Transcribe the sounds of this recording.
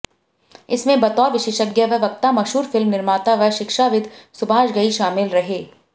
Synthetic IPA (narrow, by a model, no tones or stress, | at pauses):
ɪsmẽbɐt̪ɔːʋɪʃeːʃəɡjəʋəʋɐk̚t̪amɐʃɦuːɾfɪlmnɪɾmaːt̪aʋəʃɪkʃaʋɪd̪sʊbʱaːʃɡɐiʃaːmɪlɾɐɦeː